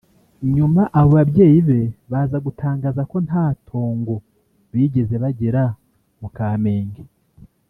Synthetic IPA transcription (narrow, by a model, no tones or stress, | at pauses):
ɲumaʔaβo̞βabɟe̞ːjiβe̞βaːzaɡutʰaːŋɡaːzako̞nhaːtʰo̞ːŋɡo | βiɟe̞ze̞βaɟeɾa | mukaːme̞ːŋɡe